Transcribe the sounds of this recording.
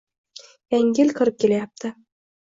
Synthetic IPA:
jæŋɡʲɪlkʰɨ̆ɾɪp̚kʲelæjap̚t̪ʰɪ

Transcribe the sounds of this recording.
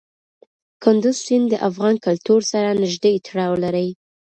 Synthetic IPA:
kʊnd̪ʊzsind̪əʔafɣɑnkʊlt̪uɾsaɾanɪʒd̪ejt̪ʰaɽɑwlaɾəj

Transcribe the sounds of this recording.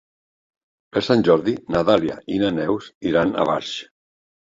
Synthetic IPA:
pəɾsanʲʒɔɾðinat̪alja̰ʔinanɛwsiɾana̰βa̰ɾʃ

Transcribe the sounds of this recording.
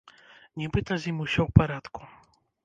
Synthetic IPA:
ɲʲɛbɨt̪azʲimʲuɕɔwpaɾat̪ku̥

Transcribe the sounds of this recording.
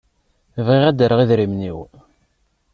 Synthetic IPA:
əvʁiʁæd̪əɾəʁiðɾimniw

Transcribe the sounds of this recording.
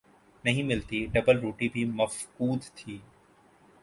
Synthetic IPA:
nɐɦĩmɪlt̪iɖɐbəlɾoːʈibʱimɐfkuːd̪t̪ʰiː

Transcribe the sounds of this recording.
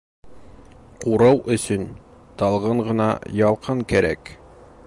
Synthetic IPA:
quɾɑwʔɵ̆sɵn | t̪ɑlˠʁɤɴʁɤ̆nɑ̰jɒlˠqʰɤŋkæɾæ̰k

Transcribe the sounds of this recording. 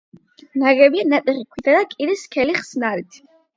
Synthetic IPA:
naɡɛbianat̪ʼiχikʷʰit̪ʰad̪akʼiɾiskʰɛliχsnaɾit̪ʰ

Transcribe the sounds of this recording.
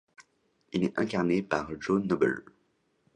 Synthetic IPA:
ilɛt̪ɛ̃kaʁnepaʁʒonɔbɛ̰l

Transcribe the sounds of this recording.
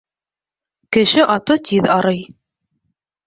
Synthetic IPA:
kɘ̆ʃɘʔɑt̪ɤt̪ʰiðɑɾɤj

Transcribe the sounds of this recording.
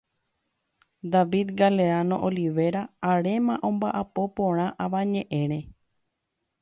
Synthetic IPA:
d̪aʋid̪ɡale̞anõ̰ʔoliʋe̞ɾaːɾe̞mãʔõ̞mbaʔapo̞põɾ̃ãʔaʋãɲẽʔẽ̞ɾ̃ẽ

